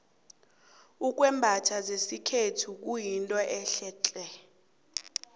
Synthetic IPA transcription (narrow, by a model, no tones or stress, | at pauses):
uk̬ʼwɛmbʱatʰazesikʰetʰuk̬ujintʼɔʔɛɬɛːt͡ɬʼɛ